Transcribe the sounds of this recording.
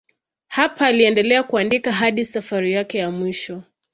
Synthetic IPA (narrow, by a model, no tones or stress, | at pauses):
hapʰaːliɛndɛlɛakuandikaɦaɗisafaɾijakɛjamwiʃɔ